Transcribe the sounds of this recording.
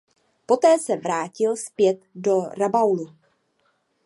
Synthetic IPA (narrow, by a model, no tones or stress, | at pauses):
po̞t̪ɛːsɛvɾaːcɪlspjɛt̪do̞ɾabawlu